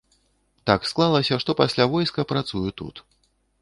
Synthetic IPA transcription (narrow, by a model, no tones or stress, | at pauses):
t̪aksklˠalˠɐsʲɐʂt̪ɔpasʲlʲavɔjskɐpɾat̪sujut̪ṵt̪